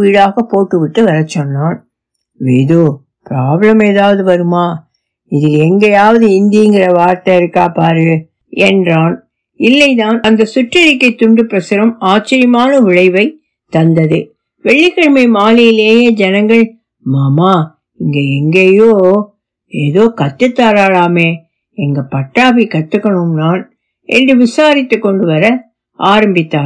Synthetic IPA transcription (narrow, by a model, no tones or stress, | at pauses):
ʋiːɽaːɣɐpːoːʈːɯʋɪʈːɯʋɐɾɐt͡ʃːɔnːaːn | ʋeːðoː | pɪɾaːblɐmeːðaːʋɐðɯʋɐɾɯmaː | ɪðɪlɛŋɡɐjaːʋɐðɯɪnd̪iɪŋɡɪɾɐʋaːɾt̪ɐɪɾɯkːaːpaːɾɯ | ɛndraːn | ɪlːɐɪt̪aːnɐnd̪ɐsʊʈːrɐɾɪkːɐɪt̪ːʊɳɖɯpːɪɾɐsɯɾɐmaːt͡ʃːɐɾɪmaːnɐʋɪɻɐɪʋɐɪ | t̪ɐnd̪ɐðɯ | ʋɛɭːɪɣɐɻmɐɪmaːlɪjɪleːjɐd͡ʒɛnɐŋɡɐɭ | maːmaː | ɪŋɡeɛŋɡeːjoː | eːðoːkɐt̪ːɯt̪ːaːɾaːɻaːmeː | ɛŋɡɐpɐʈːaːbikɐʈːɯkːɐɳɯmnaːn | ʔɛ̰ndrɯʋɪsaːɾɪt̪ːɯkːɔɳɖɯʋɐɾɐ | ʔaːɾɐmbɪt̪ːaː